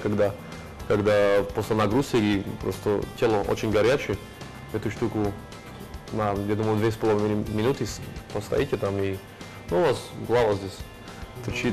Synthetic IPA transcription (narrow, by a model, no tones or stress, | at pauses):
kaɡd̪a | kaɡd̪aposlʲɪnɐɡɾusʲeɡʲipɾost̪ə̰tʲelˠəʔo̰t͡ɕɪnʲɡɐɾʲat͡ɕɪ | ɛt̪ʊʂt̪ukʊ | najad̪uməjʊd̪vʲespəlˠəvʲmʲɪnut̪ɨspəst̪ɐ̰jitʲɪt̪ami | nuvasɡlˠavəzʲdʲesʲ | t̪ɾʲɪt͡ʃi